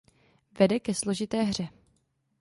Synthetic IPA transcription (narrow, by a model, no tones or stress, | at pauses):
vɛdɛkɛslo̞ʒɪt̪ɛːɦr̝ɛ